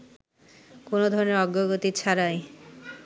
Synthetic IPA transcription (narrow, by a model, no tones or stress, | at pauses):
konod̪ʱɔɾoneɾɔɡːoɡot̪it͡ɕʰaɾaj